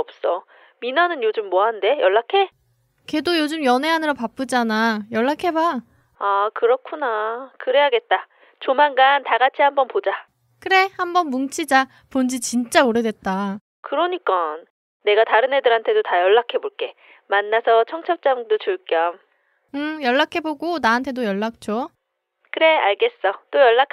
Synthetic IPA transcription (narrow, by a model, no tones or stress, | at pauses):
ʌp̚s͈ʌ | minanɯnjod͡ʑɯmːɔɦande̞jʌɭːakʰe̞ | ke̞dojod͡ʑɯmjʌne̞ɦanɯɾʌpap͈ɯd͡ʑanajʌɭːakʰe̞ba | akɯɾʌkʰunakɯɾe̞ɦaɡe̞t̚t͈a | t͡ɕomanɡantaɡat͡ɕʰihambʌnpod͡ʑa | kɯɾe̞hambʌnmuŋt͡ɕʰid͡ʑa | pond͡ʑit͡ɕint͡ɕ͈aoɾedwet̚t͈a | kɯɾʌɲik͈anː | e̞ɡataɾɯne̞dɯɾɦantʰe̞dotajʌɭːakʰe̞boɭk͈e̞ | manːasʰʌt͡ɕʰʌŋt͡ɕʰʌp̚t͡ɕ͈amdot͡ɕɯɭk͈jʌm | ɯjʌɭːakʰe̞boɡonaɦantʰe̞dojʌɭːak̚t͡ɕ͈o | kɯɾe̞aɭɡe̞s͈ʌt͈ojʌɭːak